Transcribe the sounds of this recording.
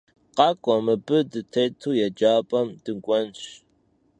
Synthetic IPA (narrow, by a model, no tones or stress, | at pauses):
qɑkʷʼɔmɨbɨdɨtʰejtʰuːjɛd͡ʒaːpʼɐmd̥ɨŋkʷʼɔnɕ